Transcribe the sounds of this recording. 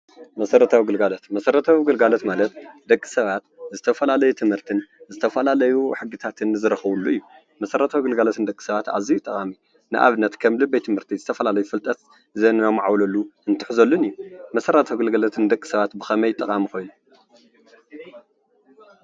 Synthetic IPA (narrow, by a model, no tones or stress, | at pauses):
mɐsɐɾɐt̪ʰawiɡɨlɡalot̪mɐsɐɾɐt̪ʰawiɡɨlɡalot̪malɐt̪d̪ɐkʼːi̥sɐβat̪zɨt̪ʰɐfɐlalɐjut̪ʰɨmhɨɾt̪ʰɨnzɨt̪ʰɐfɐlalɐjuħɨɡːɨt̪ʰat̪ʰɨnzɨɾɐxɐβulːuɨjːu | mɐsɐɾɐt̪ʰawiɡɨlɡalot̪ʰɨnd̪ɐkʼːi̥sɐβat̪a̰βzit̪ʼɐkʼami | nɨʔa̰βɨnːɐt̪kʰɐmlɨbːɐjt̪ʰɨmhɨɾt̪ʰizɨt̪ʰɐfɐlalɐjufɨlt̪ʼɐt̪ | zɐnnamːʕawlɐlːuɨnt̪ʰɨ̥ħzɐlːunɨjːumɐsɐɾɐt̪ʰawɡɨlɡalot̪ʰɨnd̪ɐkʼːi̥sɐβat̪bɨxɐmɐjt̪ʼɐkʼamixo̞jnu